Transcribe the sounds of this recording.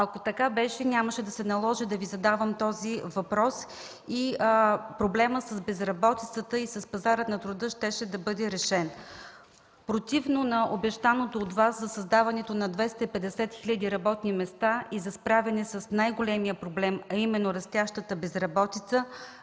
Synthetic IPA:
ɐkot̪ɐkabɛʃɛnʲaməʃɛd̪ɐsɛnɐlˠɔʒɛd̪ɐvizɐd̪avəmt̪ɔzivɐpɾɔs | i | pɾoblɛməsəzbɛzɾɐbɔt̪it̪sət̪əisɐspɐzaɾət̪nɐt̪ɾʊd̪ɤʃt̪ɛʃɛd̪ɐbɤd̪ɛɾɛʃɛn | pɾot̪ivnonɐʔobɛʃt̪anot̪oːt̪vaszɐsɐzd̪avɐnɛt̪onɐd̪vɛst̪ɐipɛd̪ɛsɛt̪xilʲəd̪iɾɐbɔt̪nimɛst̪aizɐspɾavɛnɛsɐsnajɡolɛmijəpɾoblɛmɐimɛnːoɾɐst̪ʲjaʃt̪ət̪əbɛzɾɐbɔt̪it̪sə

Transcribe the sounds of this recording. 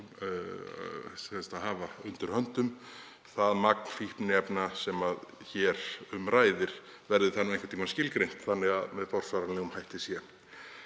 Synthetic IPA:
sɛst̪aɦaːvaʏnt̪ʏɾ̥hœn̥t̪ʏm | θaðmak̚n̥fihpnɪɛpnasɛmað | çɛɾʏmraːjðɪɾ̥ | vɛɾðɪθanːʏmẽŋkvɪ̥t̪ʰːiːmascɪlkɾejn̥t̪θanːɪɣaðmɛðfɔr̥svaɾanɪɣʏmhajht̪ɪsjɛn

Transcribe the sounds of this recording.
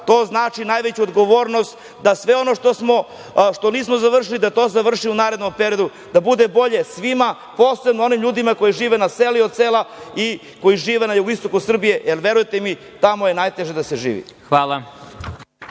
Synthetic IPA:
t̪o̞ːznaːt͡ʃinajʋet͡ɕuod̪ɡo̞ʋo̞ːɾno̞st̪ | d̪asʋe̞o̞noʂt̪osmo̞ | ʂt̪o̞niːsmozaʋr̩ʂ̬ilid̪at̪o̞ːzaʋr̩ʂiunaːɾe̞d̪no̞mpeɾijo̞d̪u | d̪abud̪e̞bo̞ʎe̞sʋima | poːsebnoo̞nimʎʲuːd̪imako̞jiʒiːʋenaseliod̪̚selai | ko̞jiʒiːʋenajuɡoist̪o̞kusr̩bije̞jelʋe̞ɾujt̪emi | t̪amojenajt̪e̞ʒed̪aseʒḭːʋḭxʋaːlˠa

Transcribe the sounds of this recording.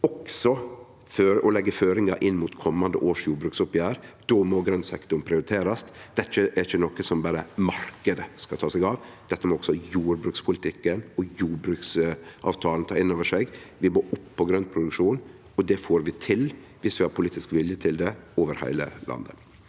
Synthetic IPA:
ɔksɔ | føːɾɔlɛɡːəføːɾɪŋɑʔɪnːmuːt̪kʰɔmːɑnd̪ə̰ʔoːʂjuːbɾʉːksʊpjæːɾd̪̥ɔmɔɡɾœnsɛkt̪ʊɳpʰɾɪʊɾɪt̪ʰeːɾɑst̪d̪̥ɛt͡ʃːəʔɛɾɪçːənɔkəsɔmbɑːɾəmɑɾkəd̪əskɑt̪ʰɑːsɛɪɡɑʋd̪̥ɛt̪ːəmɛɔksɔjuːɾbɾʉːkspʰʊlɪt̪ʰɪkːənɔjuːɾbɾʉːksʔɑ̰ːʋt̪ʰɑːlən̩t̪ʰɑːɾɪnːoːʋəʂɛɡʋɪmoːʔʊpːɔɡɾœnt̪̚pʰɾʊd̪ʉkʂuːn | ɔd̪ɛfoːɾʋɪt̪ʰɪl | ʋɪsʋɪhɑɾpʰʊliːt̪ɪskʋɪljət̪ʰɪld̪ɛoːʋəɾhæ̰ɪlə̰lʔɑ̰nd̪ə̰

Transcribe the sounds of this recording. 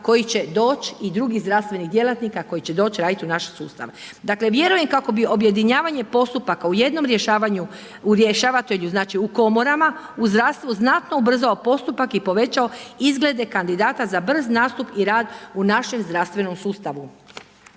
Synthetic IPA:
ko̞jit͡ɕe̞d̪o̞ːt͡ɕid̪ɾuɡiɣzɾast̪ʋe̞niɣd̪je̞lˠat̪nikako̞jit͡ɕe̞d̪o̞ːt͡ɕɾaːd̪it̪iunaʃe̥sṵːst̪a̰ʋe | d̪akle̞ʋje̞ɾuje̞mkako̞bio̞bje̞d̪iɲaːʋaɲe̞po̞st̪upakauje̞d̪no̞mɾje̞ʃaːʋaɲu | uɾjeʃaːʋat̪eʎuznaːt͡ʃiuko̞moɾama | uzd̪ɾast̪ʋuznat̪no̞ubr̩zao̞po̞st̪upakipo̞ʋe̞t͡ɕao̞izɡle̞d̪e̞kand̪id̪aːt̪azabr̩znaːst̪upiɾaːd̪unaʃe̞mzd̪ɾaʋst̪ʋe̞no̞msuːst̪aʋu

